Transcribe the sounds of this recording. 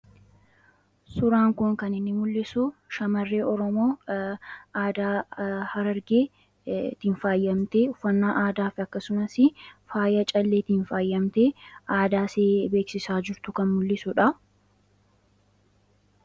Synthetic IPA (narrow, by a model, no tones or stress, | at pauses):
sʊɾaːŋkʊŋkɐnɪnːɪmʊlːɪsʊʃɐmɐrːe̞ːʔɔɾɔmo̞ː | aːd̪aːhɐɾɐɾɡeː | t̪ːɪnfaːjːɐmt̪e̞ːʊfːɐnːaːʔaːd̪aːfɐkːɐsʊnɐsɪfaːjɐt͡ʃʼɐlːeːt̪ɪnfaːjːɐmt̪e̞ːʔaːd̪aːseːbe̞ːksɪsaːd͡ʒɪɾt̪ʊkɐnmʊlːɪsʊᶑɐ